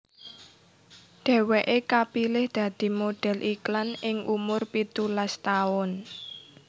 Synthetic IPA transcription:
ɖ̪̥ɛ̤weʔekapilɪhd̪̥ä̤d̪̥i̤moɖ̪̥ɛ̤lʔiklanɪŋʔumʊrpit̪ulast̪aʊn

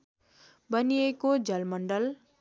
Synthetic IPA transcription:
bʌniekod͡zʌlmʌɳɖʌl

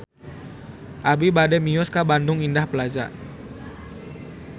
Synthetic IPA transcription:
ʔabibadɛmijɔskabandʊŋindahpəlad͡ʒa̰

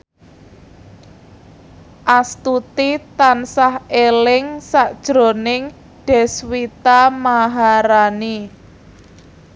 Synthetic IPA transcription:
ʔast̪ut̪it̪ansahelɪŋsaʔd̥ʒ̥ɾo̤nɪŋ | ɖ̥ɛ̤swit̪amaɦaɾani

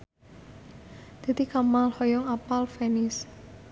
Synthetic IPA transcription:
d̪̥e̤t̪ikamalhɔjɔŋapalfɛnɪs

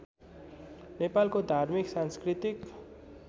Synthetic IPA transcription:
nepalkod̪ʱarmiksãnskrit̪ik

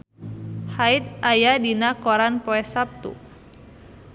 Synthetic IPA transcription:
hait̪̚ajadinakɔɾanpɔɛsap̚t̪ṵ

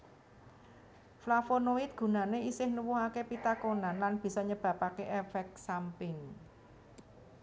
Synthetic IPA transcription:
flafonoɪt̪̚ɡ̥ṳnaneisɪhnuwuɦakepit̪akonanlanb̥i̤sɔɲəb̥ä̤pakeʔefɛk̚sampɪŋ

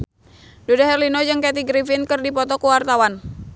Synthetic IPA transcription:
dodaɦɛrlinɔd͡ʒɨŋkɛt̪̬iɡɾifinkɨrdipɔt̪ɔkuwart̪awan

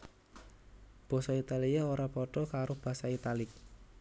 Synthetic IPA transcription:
b̥ɔ̤sɔit̪aliaoɾapɔʈɔkaɾʊhb̥a̤sait̪alɪk̚

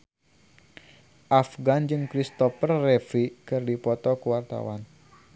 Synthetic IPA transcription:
ʔafɡand͡ʒɨŋkɾist̪ɔfərːɛfikɨrdipɔt̪ɔkuwart̪a̰wan

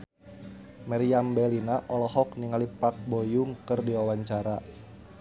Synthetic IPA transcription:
maɾiambɛlinaʔɔlɔɦɔkniŋalipak̚bojʊŋkɨrdiwawaɲt͡ʃaɾa

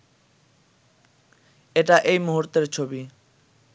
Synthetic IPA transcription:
etaʔejmoɦuɾt̪eɾt͡ʃʰobi

